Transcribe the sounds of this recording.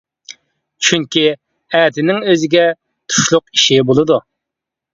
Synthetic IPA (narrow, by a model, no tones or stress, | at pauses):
t͡ʃʰyŋkʲi | ɛd̪ʰɪnɪŋøzɪɡʲɛ | t̪ʰu̥ʃlˠʊqiʃibolˠɨd̪u